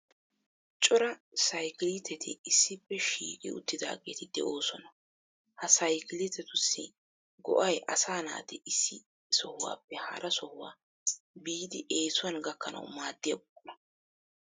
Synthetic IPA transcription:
t͡ʃʼʊɾɐsɐjkɪlit̪ʰːɛt̪ʰɪ̰ɪsːɪpːɛʃiːkʼɪ̰ʊ̰t̪ːɪd̪a̰ːɡe̞̰ːt̪ɪd̪ɛ̰ʔo̞ːsɔnɐ | hɐsɐjkɪlɪt̪ːɛt̪ʊsːɪ | ɡɔ̰ʔɐjʔɐ̰saːna̰ːt̪ɪʔɪsːɪ | sɔhʊwa̰ːpːɛhɐ̰ɾʔɐsɔhʊwa̰ː | biːd̪ɪʔe̞ːsʊwɐnɡɐkːɐnɐ̰wmaːd̪ːɪjɐbɔkʼːɔnɐ

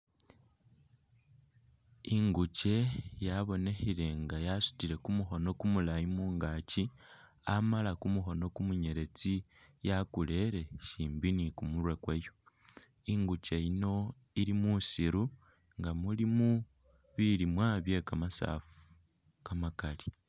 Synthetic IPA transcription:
iŋɡuce̞jaβo̞ne̞xiɾe̞ŋɡajasu̥tile̞kumuxo̞no̞kumulajimuːŋɡaːci | amalakumuxo̞no̞kumuɲe̞ɾe̞t͡sijakule̞ɾe̞ʃiːmbinikumuɾwe̞kwejo̞ | iŋɡuce̞ino̞ | iɾimusiɾu | ŋɡamulimu | βilimwaːβje̞kamasa̰ːfu̥ | kamakali

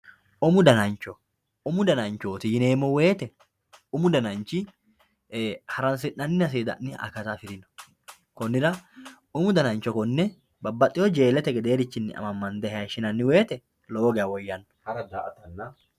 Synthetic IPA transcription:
ʔʊmʊd̪ɐnɐnt͡ʃɔ | ʊmʊd̪ɐnɐnt͡ʃoːt̪ɪjɪne̞ːmːɔwe̞ːt̪ɛ | ʊmʊd̪ɐnɐnt͡ʃɪ | hɐɾɐns̬ɪʔːɐnːɪɐs̬eːd̪ɐ̰nːɪɐ̰kɐt̪afɪɾɪnɔ̥ | kɔnːɪɾɐ | ʊmʊd̪ɐnɐnt͡ʃːɔkɔnːɛ | bɐbːɐt̪ʼːɪjɔd͡ʒe̞ːlɛt̪ɛɡɛd̪e̞ːɾɪt͡ʃːɪnːɪ̰ʔɐ̰mɐmːɐnd̪ɛhɛɐʃɪnɐnːɪwe̞ːt̪ɛ | loːɡɛɐwɔjːɐnːɔ̥hɐɾɐd̪aʔɐt̪ɐnːɐ

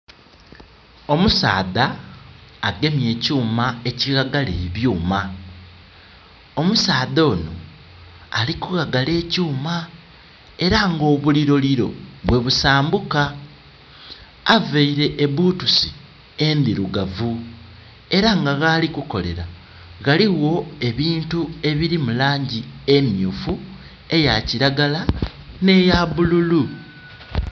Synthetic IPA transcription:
o̞musa̰ːðaː | ɡe̞mje̞ːcuːmae̞ciɣaɡaleiβjuːma | o̞musaːðo̞ːno̰ | alikuɣaɡale̞ːcuːma | e̞ɾaŋɡo̞ːβuliɾo̞liɾo̞̰βwe̞βusaːmbuka | veiɾe̞ʔːβuːtusi | embiɾuɡavu | e̞ɾaŋɡaɣaːlikuko̞le̞̰ɾa | ɣaliɣo̞e̞βiːntue̞βiɾimulaːɲɟiemjuːfu | e̞jaciɾaɡala | ne̞jaβululu

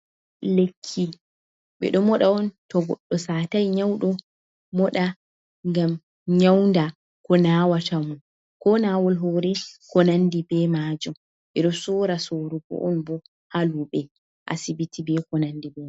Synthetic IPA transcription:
lekʰːi | ɓɛ̰ɗɔmɔɗaɔntɔɡɔ̰ɗːɔsatajɲawɗɔ | mɔɗa | ŋɡam | ɲawnda | kɔnawatʰamun | kɔnawɔlɦɔɾɛkɔnandibɛmad͡ʒɔm | ɓɛɗɔsɔːɾasoɾukɔ̰ʔɔnbɔ | haluɓɛ | ʔa̰sibitibɛkɔnandibɛ

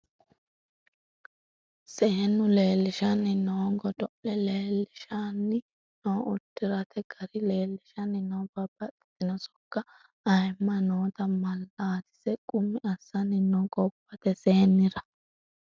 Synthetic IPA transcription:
se̞ːnːʊle̞ːlːɪʃɐnːɪnoːɡɔd̪ɔʔɛle̞ːlːɪʃanːɪ | noːʊt̪ːɪɾɐt̪ɛɡɐɾɪle̞ːlːɪʃɐnːɪnoːb̥ɐb̥ɐt̪ʼːɪ̥t̪ɪnɔsɔ̥kːɐ | ɐjmːɐnoːt̪ɐmɐlːaːt̪ɪ̥sɛkʼʊmːɪʔɐsːɐnːɪnoːkʼɔpːɐt̪ɛse̞ːnːɪɾɐ

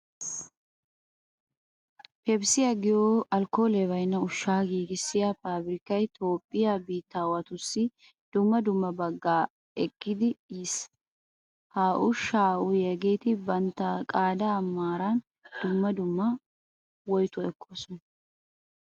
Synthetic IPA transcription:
pɛbsɪjɐɡɪjoːʔɐlko̞ːlɛβɐjnːɐʊʃːaːɡiːɡɪsːɪjapaːbɾɪkɐjt̪ʰo̞ːpʼːɪjaːbiːt̪ːaːwɐt̪ʊsːɪ | d̪̥ʊmːɐd̪ʊmːɐbɐɡːaː | ɛkːɪd̪ɪiːs | haːʔʊʃaːʔʊjɛɡeːt̪ɪbɐnt̪ːɐkʼaːd̪ɐːmːaːɾan | d̪̥ʊmːɐd̪ʊmːɐ | wɔjt̪ɔɛkʰːoːsɔn

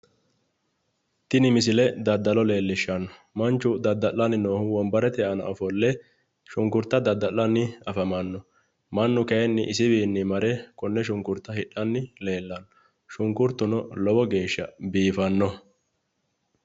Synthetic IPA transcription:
t̪ɪnɪmɪs̬ɪlɛd̪ɐd̪ːɐlɔle̞ːlːɪʃːɐnːɔ̥ | mɐnt͡ʃːʊd̪ɐd̪ːɐlːɐnːɪno̞ːhʊwɔmbɐɾɛt̪ɛɐnɐ̰ʔɔfɔlːɛ | ʃʊŋkʊɾt̪ːɐd̪ɐd̪ːɐlːɐnːɪɐfɐmɐnːɔ | mɐnːʊkɛjɛnːɪʔɪsɪbiːnːɪmɐɾɛkɔnːɛʃʊŋkʊɾt̪ːɐhɪɗːɐnːɪle̞ːlːɐnːɔ | ʃʊŋkʊɾt̪ːʊnɔlɔbɔɡe̞ːʃːɐbiːfɐnːɔ

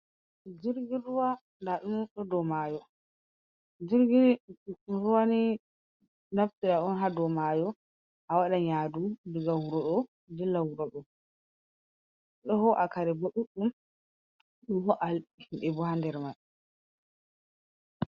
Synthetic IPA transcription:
d͡ʒiɾɡiuwa | ndaɗunɗɔdɔmajɔ | d͡ʒiɾɡi | ɾuwani | naftiɗaʔɔnɦadɔmajɔ | ʔawaɗaɲadudiɡawɾɔɗɔ | dɛlawɾɔɗɔ | ɗɔhɔʔakaɾɛbɔɗuɗːum | ɗɔɦɔʔalɓihimɓɛbɔɦandɛɾmaj

